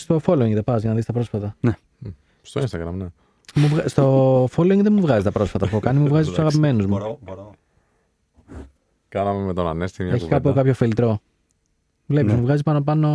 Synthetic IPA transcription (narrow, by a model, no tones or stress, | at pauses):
st̪o̞fo̞loiŋɡðepɐzʝɐnɐðist̪ɐpɾo̞sfɐt̪ɐn | st̪oinst̪ɐɣɾɐ̰mne | muvɣst̪o̞foloiŋɡðemuvɣɐzit̪ɐpɾo̞sfɐt̪ɐpuokɐnimuvɣɐzisusɐɣɐpime̞nuzmu | kɐnɐmemet̪onɐ̰nest̪ieçikɐpokɐpçofilt̪ɾo̞ | vle̞pizmuvɣɐzipɐno̞pɐno̞